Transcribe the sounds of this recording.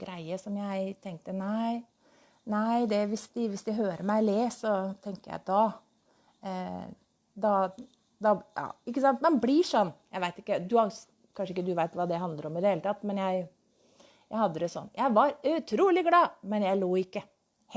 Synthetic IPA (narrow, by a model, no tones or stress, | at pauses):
ɡɾæɪəʂɔmjæɪt̪ʰɛŋk̚t̪ənæɪ | næɪd̪ɛʋɪsd̪ɪʋɪsd̪ɪɦøːɾəmæɪleːsɔt̪ʰɛŋkəjæ̰d̪ɑ | d̪ɑ | d̪ɑjɑ̰ːɪkːəsɑnt̪mɛnbliʂɔnːjæɪʋæɪt̪ɪ̥kːəd̪ʉhɑ | kʰɑnʂəɪkːəd̪ʉʋæɪt̪ʋɑːd̪ɛɦɑnd̪ləɾɔmɪd̪əheːlət̪ʰɑt̪ːmɛnjæɪ | jæɪhɑd̪ːəd̪ɛsɔ̰nːjæɪʋɑɾʉt̪ʰɾuːlɪɡlɑːmɛnjæɪloːɪkːə